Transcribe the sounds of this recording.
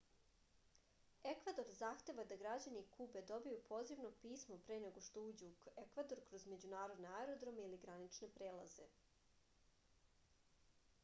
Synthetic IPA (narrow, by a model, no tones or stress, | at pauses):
e̞kʋad̪o̞ɾzaːxt̪e̞ʋad̪aɡɾad͡ʑanikʰube̞d̪o̞bijupʰo̞ːziʋno̞piːsmo̞pɾeneɡo̞ʃt̪ouːd͡ʑuke̞kʋad̪o̞ɾkɾo̞zme̞d͡ʑunaːɾo̞d̪neaeɾo̞d̪ɾo̞meiliɡɾanit͡ʃne̞pɾeːlˠa̰ze̞̰